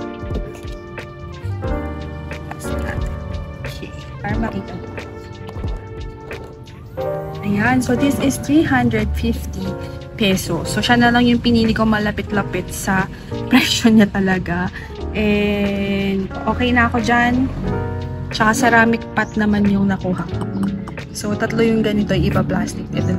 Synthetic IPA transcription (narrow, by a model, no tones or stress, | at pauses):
sa̰ | kʰɛ | paɾɐŋmɐʔiːkɐm | ʔɐjansod̪ɪsɪst̪ɹiɦand̪ɹɛd̪̚fɪft̪ipɛsosːoʃanɐlɐŋjʊŋpɪniːlɪɡkomɐlɐpɪt̪lɐpɪt̪̚sɐ | pɾɛʃoɲat̪ɐlɐɡa | ʔɛ | nd̪ʔo̞ːkɛjnɐɐko̞d͡ʒan | t͡ʃɐkasɐɾaːmɪk̚pat̪̚nɐmanjʊŋnɐkuːɦɐ | so̞t̪ɐt̪lojʊŋɡɐnɪt̪oɐjʔɪbɐplaːst̪ɪk̪̚ɛd̪ɛ